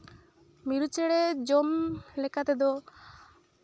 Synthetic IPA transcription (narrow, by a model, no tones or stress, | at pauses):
miɾut͡ʃeɽed͡ʒomlɛkat̪ɛd̪ɔ